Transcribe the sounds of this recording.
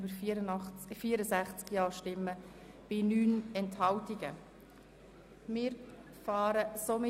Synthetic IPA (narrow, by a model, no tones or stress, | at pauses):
bəɾɾfiːəɾəsæχt͡skjɑːɾʃtɪmːə | b̥ɪnyːnɛnthɑltiɡə̰ | mɪːɾ | fɑːɾəsomɪ